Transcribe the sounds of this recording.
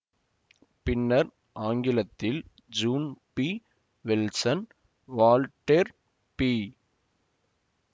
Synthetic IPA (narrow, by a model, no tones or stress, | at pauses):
pɪnːɐɾ | ʔaːŋɡɪlɐt̪ːɪl | d͡ʒuːnpi | ʋɪlsɐn | ʋaːlʈeɾ | piː